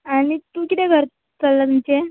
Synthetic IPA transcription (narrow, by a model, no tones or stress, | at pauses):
aɽ̃it̪ukit̪ɛɡʱəɾ | t͡səlːət̪umt͡ɕe